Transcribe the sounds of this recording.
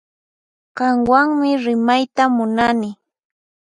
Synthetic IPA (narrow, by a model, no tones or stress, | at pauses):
kɑŋwaŋmɪɾɪmajt̪amʊnanɪ